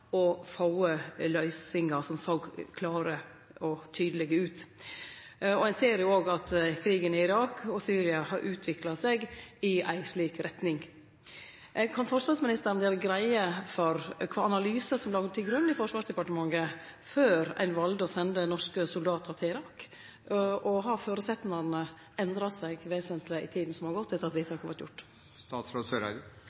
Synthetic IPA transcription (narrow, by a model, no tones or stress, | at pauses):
ɔfɑʊəlœʏsɪŋɑsɔmsoːɡkʰlɑːɾə | ɔt̪ʰyːd̪əlɛɡəʉːt̪ | ɔæɪnseːɾjʊoːɡɑt̪kʰɾiːɡənɪɪɾɑːkʰɔsyːɾɪɑhɑɾʔʉːt̪ʰʋɪklɑsɛɡɪæ̰ɪʂɭiːkɾɛt̪nɪŋ | kʰɑnfɔɾʂʋɑːsmɪnɪst̪əɾənd̪ɛːɾəɡɾæɪəfɔɾkʰʋɑːɑnɑlyːsəsɔmlɑːɡd̪ət̪ʰɪlɡɾʉnːɪfɔʂʋɑːʂd̪ɛpɑʈəmɑŋəføːɾæ̰ɪnʋɑld̪əɔsɛnd̪ənɔʂkəsʊld̪ɑːt̪ʰɑt̪ʰɪɪɾɑːk | ʔɔɦɑføːɾəsɛt̪nɑnə | ɛnd̪ɾɑsæɡʋeːsənt̪ʰlɪɪ̰t̪ʰiːd̪n̩sɔmhɑɾɡɔt̪ːɛt̪ːəɾɑt̪ʋiːt̪ʰɑːkhɑʋɑʈ̪jʊ̰ʈː | st̪ɑːt̪sɾoːsøɾæ